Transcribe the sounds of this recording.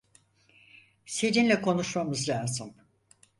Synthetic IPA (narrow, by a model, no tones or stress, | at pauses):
sed͡ʒinlʲɛkʰo̞nuʃmamɯzlʲaːzɯm